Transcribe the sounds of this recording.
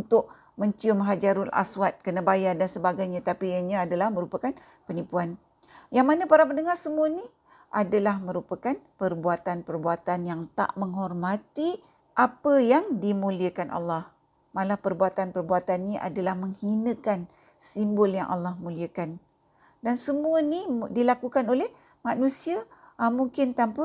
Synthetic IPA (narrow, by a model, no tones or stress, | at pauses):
unt̪ʊʔ | mə̃ɲt͡ʃiʊmɦad͡ʒaɾʊlʔa̰swat̪̚kənəbajadansəbaɡajɲat̪apiəɲaːdalahmə̃ɾupakan | pənipuan | jaŋmanãpaɾapənəŋarsəmuəni | ʔadalahmə̃ɾupakanpərbuat̪anpərbuat̪anjaŋt̪a̰ʔməŋhɔrmat̪i | ʔapəjaŋdimũliəkanʔa̰lːɑh | malahpərbuat̪anpərbuat̪anːiʔa̰dalahməŋhinə̃kan | simbʊlja̰ŋʔa̰lːɑhmuliəkan | dansəmuənidilakukanolɛh | manũsia | muŋkɪnt̪ampə